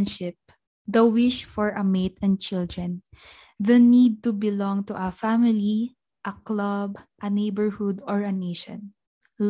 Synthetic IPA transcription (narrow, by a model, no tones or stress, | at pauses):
nʃɪp̚ | d̪ɐwɪʃfɔɹʔɐmet̪ɛ̃nd̪̚t͡ʃɪld̪ɹɛ̃n | ðɐnid̪̚t̪ubɪlɔ̃ŋt̪uʔɐfamɪli | ʔɐklɐbʔɐnejbəɹhʊd̪ɔɹɐnejʃɔ̰̃n